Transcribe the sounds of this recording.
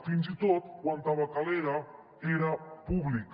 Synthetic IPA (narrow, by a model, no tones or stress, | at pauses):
finzit̪ot̪kwant̪aβakaleɾa | eɾapuβlik